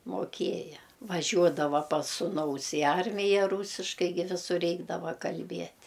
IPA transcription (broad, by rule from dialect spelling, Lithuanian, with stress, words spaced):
moːˈkʲiɛjɛ ʋɐˈʒʲuɔdɐʋɐ pɐs sʊˈnɐʊs ɪ ˈɐrʲmʲɪjɛ ˈruːsʲɪʃkɐɪ ɡʲɪ ʋʲɪˈsʊr ˈrʲɛɪɡdɐʋɐ kɐlʲˈbʲiɛtʲ